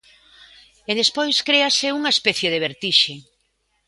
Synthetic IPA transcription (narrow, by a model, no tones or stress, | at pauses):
eðespojskɾeaseuŋaespɛθjeðeβeɾt̪iʃe